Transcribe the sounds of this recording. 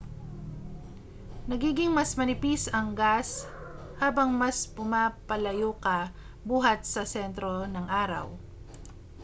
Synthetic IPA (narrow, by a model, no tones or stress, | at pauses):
nɐɡiːɡɪŋmɐsmɐnɪpisɐŋɡas | haːbɐŋmɐspʊmaːpɐlɐjokɐ | buːɦɐt̪̚sɐsɛnt̪ɾo̞nɐŋʔaːɾɐ̰w